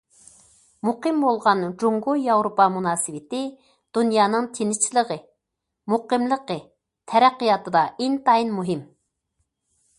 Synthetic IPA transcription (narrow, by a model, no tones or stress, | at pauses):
muqɨmbolˠʁɑnd͡ʒuŋɡujɑwɾopɑmunɑːsɨwɪt̪ɪ | d̪̥unjɑːnɨŋt̪ʰenɪt͡ʃʰilˠəʁə | muqəmlˠəqə | t̪ʰɛɾæqːijɑt̪ɨd̪ɑʔent̪ɑinmuɦɪm